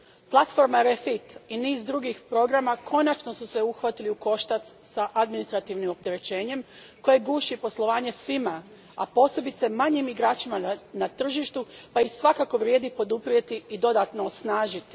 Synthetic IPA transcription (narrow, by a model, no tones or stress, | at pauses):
plˠat̪fo̞ɾmaɾefit̪iniːzd̪ɾuɡixpɾo̞ɡɾamakʰo̞nat͡ʃno̞suse̞uxʋat̪iliuko̞ʃt̪at̪ssaʔad̪minist̪ɾat̪iʋnimo̞p̚t̪e̞ɾe̞t͡ɕe̞ːɲe̞m | ko̞je̞ɡuːʃipo̞slˠo̞ʋaːɲe̞sʋima | a̰po̞ːse̞bit̪se̞maɲimiɡɾaːt͡ʃimanat̪r̩ʒiʃt̪upaixsʋakako̞ʋɾjed̪ipo̞d̪upɾie̞t̪iid̪o̞d̪at̪no̞ːsnaːʒit̪i̥